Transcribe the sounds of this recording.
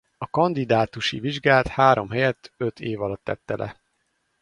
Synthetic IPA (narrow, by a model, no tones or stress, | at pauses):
ɒkɒnd̪id̪aːt̪uʃiviʒɡaːlt̪haːɾo̞mɦɛjɛt̪ʰːøt̪ʰeːvɒlɒt̪ːɛ̰t̪ːɛlʔɛ̰